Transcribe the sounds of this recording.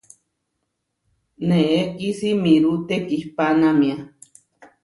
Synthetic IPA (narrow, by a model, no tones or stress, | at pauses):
neʔeʔkisimiɾuʔt̪ekihpanamia